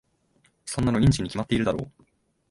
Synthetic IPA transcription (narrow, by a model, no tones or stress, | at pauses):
so̞nːano̞ĩɲ̟t͡ɕiɲ̟ːikʲimat̪ːeiɾɯd̪aɾo̞̰ː